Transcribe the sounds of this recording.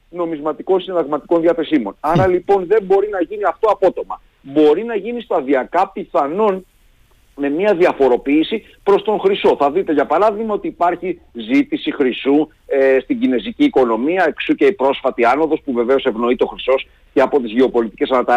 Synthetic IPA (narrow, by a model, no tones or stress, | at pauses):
no̞mizmɐt̪iko̞nsinðɐɣmɐt̪iko̞nðiɐθe̞simo̞nɐɾɐlipo̞nðe̞mbo̞ɾinɐʝiniɐft̪oɐpo̞t̪o̞mɐ | bo̞ɾinɐʝinist̪ɐðiɐkɐpiθɐno̞n | me̞miɐðiɐfo̞ɾo̞piːsi | pɾo̞st̪o̞ŋxɾiso̞θɐðit̪e̞ʝɐpɐɾɐðiɣmɐo̞t̪iːpɐɾçizit̪isixɾisu | est̪iɟine̞ziciːko̞no̞miɐeksuceipɾo̞sfɐt̪iɐno̞ðo̞spuve̞ve̞o̞se̞vno̞it̪eo̞xɾiso̞s | ceɐpot̪izʝe̞o̞po̞lit̪ice̞sɐnɐt̪ɐ